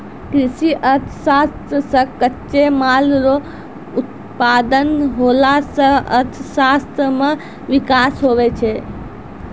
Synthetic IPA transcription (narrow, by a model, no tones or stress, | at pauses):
kɾisiʔət̪ʰsast̪ɾəsə̃kətːt͡ʃemalɾo | ut̪̚ | pad̪ənɦolasə̃ət̪ʰsast̪ɾəmẽ | ʋikasɦoʋɛt͡ʃʰɛ